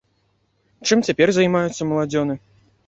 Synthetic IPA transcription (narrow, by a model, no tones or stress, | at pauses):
t͡ʂɨmt͡sʲapʲɛrzajmajut̪sːɐmɐlˠad͡zʲɔnɨ